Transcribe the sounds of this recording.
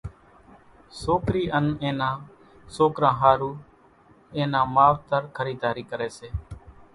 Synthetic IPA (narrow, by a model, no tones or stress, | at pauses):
soːkɾiːʔənẽːnãː | soːkɾãːɦaːɾuː | ẽːnãːmaːʋt̪əɾkʰəɾiːd̪aːɾiːkəɾeːseː